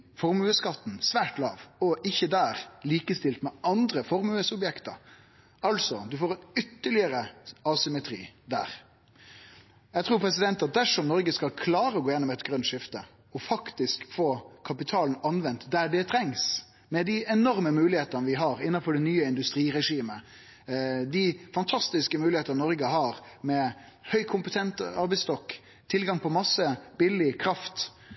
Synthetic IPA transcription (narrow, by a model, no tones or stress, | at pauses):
fɔɾmʉəskɑt̪ːn̩sʋæːʈlɑ̰ːʋɔʔɪçːəd̪æːɾliːkəst̪ɪlt̪mɛʔɑnd̪ɾəfɔɾmʉːəsɔbjɛkt̪ə̰ɾ | ɑlsɔd̪ʉfoːɾɛnʏt̪ːəɭɪəɾəɑsʏmɛt̪ʰɾḭːd̪æ̰ːɾ | jɛɡt̪ʰɾuːɾpʰɾɛs̬ɪd̪ɛnt̪ɑt̪̚d̪æʂɔmnɔɾɡəskɑlkʰlɑːɾəɔɡoːjɛnːɔmɛt̪ɡɾœnʂɪft̪ə | ɔfɑkt̪ɪskfoːkʰɑpɪt̪ʰɑːln̩ɑnʋɛnt̪d̪æɖɛt̪ʰɾɛŋs | mɛd̪ɪʔɛnɔɾməmʉːlɪheːt̪ənəʋɪɦɑɾɪnːɑnfɔɖɛnyːəɪnd̪ʉst̪ɾiːɾɛʂiːmə | d̪ɪfɑnt̪ʰɑst̪ɪskəmʉːlɪheːt̪əɾnɔɾɡəɦɑɾmɛ | hœʏkʰʊmpət̪ʰɛnt̪ɑɾbɛɪst̪ɔkː | t̪ʰɪlɡɑŋpʰɔmɑsːəbɪlɪkʰɾɑft̪